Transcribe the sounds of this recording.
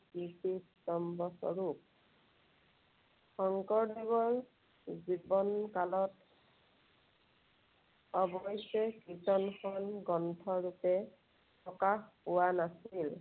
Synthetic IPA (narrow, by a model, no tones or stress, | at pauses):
pisistɔmbɔsɔ̰ɹuk̚ | xɔŋkɔɹdibɔɹ | zibɔnkalɔt | ɔbɔjsɔkitɔnxɔnɡɔntʰɔɹupɛ | pɔkaxpʊwanasil